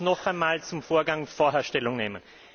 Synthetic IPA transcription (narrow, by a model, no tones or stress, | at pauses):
nɔxaɪnmaːlt͡sʊmfoːɐɡaŋfoːɐɦɛɐʃtɛlʊŋneːmən